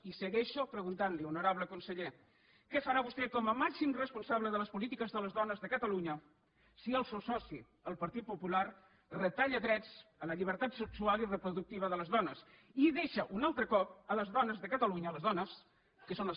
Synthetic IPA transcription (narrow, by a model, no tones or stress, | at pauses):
isəɣɛʃopɾəɣunt̪anliunuɾaβləkunsəʎe | kɛfəɾaβust̪ɛkɔməmasimrəspunsaβləðələspulit̪ikəzðələzðɔnəzðəkət̪əluɲə | siəlˠsewsɔsi | əlˠpəɾt̪it̪̚pupular | rət̪aʎəðɾɛd͡zələʎiβ̞əɾt̪at̪səksualirəpɾuðuk̚t̪iβ̞əðələzðɔnəs | iðeʃəʔunalˠt̪ɾəkɔp̚ələzðɔnəzðəkət̪əluɲəːləzðɔnəs | kəsonlə